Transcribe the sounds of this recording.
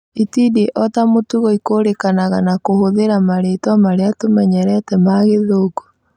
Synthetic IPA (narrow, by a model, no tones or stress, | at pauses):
itideʔɔtamotuɣɔikoːɾekanaɣanakohoðeɾamaɾetwamaɾeatomɛɲɛɾɛtɛmaɣeðoːko̥